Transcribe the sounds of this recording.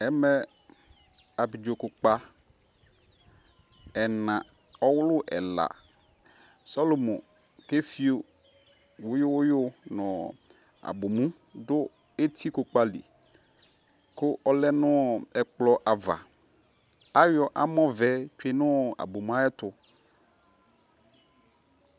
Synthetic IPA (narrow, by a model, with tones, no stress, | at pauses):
ɛ˦mɛ˦ | a˨bi˨d͡ʒo˨kʊ˨k͡pa˨ | ɛ˨nã˨ | ɔ˦wʊ˦lʊ˦ʔɛ̰˨la̰˨ | sɔ˦lo˨mõ˨ | ke˦fi˦o˨ | wʊ˦jʊ˦wʊ˦jʊ˦nɔ̃˨ | a̰˨bʊ˨mũ˦ | dʊ˦ | e˦t̪ʰi˦kʊ˨k͡pa˨lḭ˨ | kʊ˦ʔɔ˦lɛ˦nʊ̃˦ɛ˨k͡plɔ˦ʔa˨va̰˨ | a˦jɔ˨ʔa˦mɔ̃˦vɛ˨˦t͡ʃᶣe˦nʊ̃˦˨a̰˨bo˨m˦a˦ɛ˦t̪ʊ˨